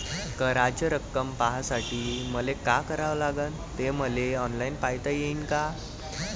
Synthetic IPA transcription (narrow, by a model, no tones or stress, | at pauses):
kəɾad͡ʑjəɾəkːəmpaɦasaʈʰiːməlekakəɾaʋlaɡən | t̪eməleɔnlainpajt̪əjeinka